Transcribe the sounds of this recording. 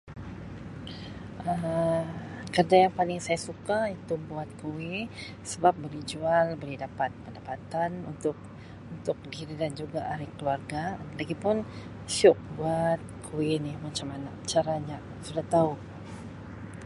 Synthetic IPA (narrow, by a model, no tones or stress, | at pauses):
ʔə | kərdajaŋpalɪŋsajasukait̪ubuat̪̚kuwi | səbap̚bolihd͡ʒualbolɛhdapat̪̚pəndapat̪anunt̪ʊk̚ | unt̪ʊk̚diɾidand͡ʒuɡaʔaɾihkəluarɡalaɡipʊn | ʃʊk̚buat̪̚kʰuwinɪhmat͡ʃamanat͡ʃaɾaɲaʔsudaht̪au